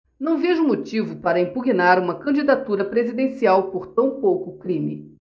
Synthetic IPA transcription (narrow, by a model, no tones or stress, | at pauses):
nɐ̃w̃veʒʊmot͡ʃivʊpaɾɐĩpuɡinaɾũmɐkɐ̃d͡ʒid̪at̪uɾɐpɾezid̪ẽsiawpoɾt̪ɐ̃w̃powkʊkɾĩmi